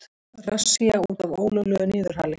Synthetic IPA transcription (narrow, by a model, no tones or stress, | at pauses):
rasːiauːt̪avoːwlœwlœːɣʏnɪːðʏɾ̥ɦaːlɪ